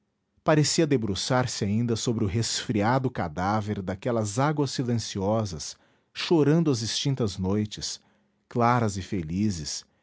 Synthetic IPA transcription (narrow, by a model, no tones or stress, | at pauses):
paɾesiɐd̪ebɾosaɾsɪaĩnd̪ɐsobɾɪʊɦesfɾiad̪ʊka̰d̪aveɾd̪akɛlɐzaɡwɐsːilẽsiɔzɐs | ʃoɾɐ̃nd̪ʊɐzɪst͡ʃĩnt̪ɐznojt͡ʃɪs | klaɾɐzɪfelizɪs